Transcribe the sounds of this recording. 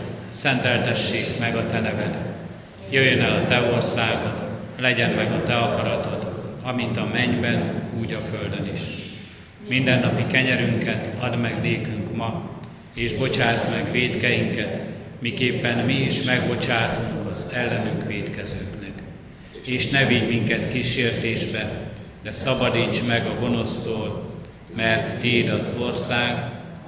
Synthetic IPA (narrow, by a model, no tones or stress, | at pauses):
sɛnt̪ɛlt̪ɛʃːeːkmɛɡɒt̪ɛnɛvɛt̪ | jøjːønɛlɒt̪ɛo̞rsaːɡot̪lɛɟɛnmɛɡɒt̪ɛɒkɒɾɒt̪o̞t̪ɒmint̪ɒmɛɲbɛnuːɟɒføld̪øniʃ | mind̪ɛnːɒpikɛɲɛɾyŋkɛt̪ɒd̪mɛɡneːkyŋkmɒ | eːʒbo̞t͡ʃaːt̪mɛɡʋeːt̪kɛjiŋkɛt̪ | mikeːpːɛnmiiʃmɛɡbo̞t͡ʃaːt̪uŋkɒzɛlːɛnyŋkʋeːt̪kɛzøːknɛk | eːʃnɛviɟmiŋkɛt̪kiːʃeːrt̪eːʒbɛ | d̪ɛsɒbɒd̪iːt͡ʃmɛɡɒɡo̞no̞st̪oːl | mɛrt̪ːiːd̪ɒzo̞rsaːɡ